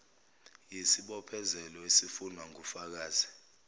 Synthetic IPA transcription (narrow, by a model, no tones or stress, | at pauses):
jesiɓɔpʰɛzɛlɔesifunwaŋufak̬aːzi